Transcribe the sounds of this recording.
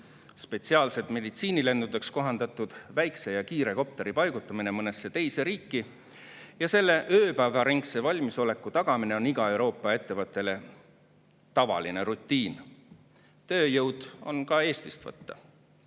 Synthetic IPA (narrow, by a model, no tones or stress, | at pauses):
spe̞t̪siɑːlset̪ˑme̞d̪it̪siːnile̞nd̪ud̪e̞ksko̞ɦɑnd̪̥ɑt̪ːˑud̪̥væjkse̞jɑkiːɾe̞ko̞p̚t̪e̞ɾipɑjɡ̥ut̪ːˑɑmine̞mɤne̞sːe̞t̪ejse̞ɾiːkːˑi | jɑse̞lːe̞ʔøːpæːvɑɾiŋkse̞vɑlʲmiso̞le̞kːˑut̪ɑɡ̥ɑmine̞o̞niɡ̥ɑe̞wɾo̞ːpːˑɑe̞t̪ːe̞vɤt̪ːˑe̞le̞ | t̪ɑvɑ̰line̞ɾut̪ːˑiːn | t̪ø̞ːjɤwd̪̥o̞̰nkɑe̞ːst̪ist̪vɤ̰t̪ːɑ̰